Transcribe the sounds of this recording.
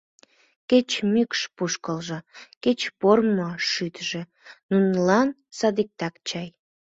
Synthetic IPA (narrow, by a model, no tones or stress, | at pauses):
ket͡ɕmykʃpuʃkəlʒɤ̆ket͡ɕpormoʃyt̪ʒe | nunlɑn | sɑd̪ik̚t̪ɑkt͡ɕɑj